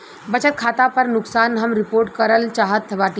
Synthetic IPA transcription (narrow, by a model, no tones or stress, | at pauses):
bɐt͡ʃət̪̚kʰaːt̪apəɾnʊksaːnɦɐmɾɪpoːɾʈkɐɾəlt͡ʃaːɦət̪ʰːəbaːt̪i